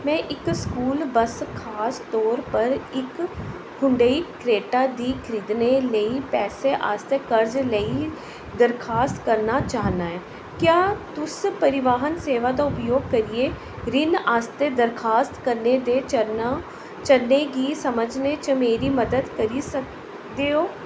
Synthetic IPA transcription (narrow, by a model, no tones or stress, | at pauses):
mɛ̃ːʔɪkskuːlbəskʰaːst̪ɔːɾpəɾɪk | ɡʊɳɖeiːkɾeːʈaːd̪iːkʰɪɾiːd̪neləiːpɛːseʔa̰ːst̪ekəɾd͡ʒləi | d̪əɾkʰaːst̪kəɾnaːt͡ʃaːɦnaːɦɛː | kjaːt̪ʊspəɾɪʋaːɦənseːʋaːd̪aːʊpjoːɡ̚kəɾɪeː | ɾɪnaːst̪eːd̪əɾkʰaːst̪kəɾneːd̪eːə | t͡ʃəlːeːɡiːsəməd͡ʒneːt͡ʃəmeːɾiːməd̪əd̪kəɾiːsək | d̪eːoː